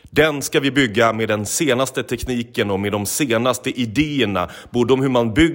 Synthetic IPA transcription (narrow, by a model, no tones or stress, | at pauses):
d̪ɛnskavɪbʏɡːamed̪ɛnseːnast̪ət̪ʰɛkniːkənɔmed̪ɔmseːnast̪əʔɪd̪eːəɳa̰b̥uːɖəɔmhɵmanbʏ